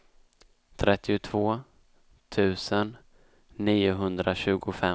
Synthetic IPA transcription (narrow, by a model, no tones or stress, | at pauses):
t̪ʰɾʔɛt̪ːɪʊt̪ʰv̥oː | t̪ʰʉ̟ːsənː | iːʊɦɵnd̪ɾaɕʉ̟ːɡʊfɛ